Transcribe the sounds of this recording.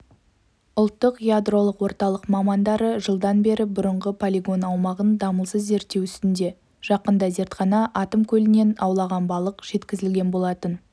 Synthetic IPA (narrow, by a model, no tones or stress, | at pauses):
ʊlˠt̪ːəqjad̪ro̞lˠəqwo̞ɾt̪ɑlˠəqmɑmɑnd̪ɑɾəʒəlˠd̪ɑnbe̞ɾɪbʊɾəɴʁəpʰolʲiɡo̞nɑwmɑʁənd̪ɑməlˠsəzːe̞ɾt̪ːe̞wʏst̪ɪnd̪e̞ | ʒ̥ɑqənd̪ɑze̞ɾt̪χɑnɑʔɑt̪əmkʲʰɵlɪne̞nɑwlˠɑʁɑnbɑlˠəqʒ̥e̞t̪kʲɪzɪlɡʲe̞nbo̞lˠɑt̪ən